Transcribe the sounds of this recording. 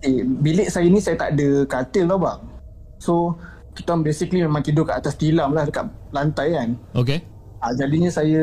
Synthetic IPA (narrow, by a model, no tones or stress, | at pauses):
kebilɪʔsajənĩsajət̪a̰ʔdəkat̪ɪllahbaʔ | so | kit̪uanbesiklimemãŋkidʊkaʔat̪ast̪ilamlahdəkaʔlant̪ajkanoke | ad͡ʒadiɲə̃sajə